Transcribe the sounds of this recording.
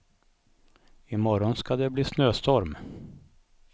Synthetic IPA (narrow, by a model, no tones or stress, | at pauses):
ɪmɔɾɔnskad̪ɛbliːsnøːst̪ɔɾm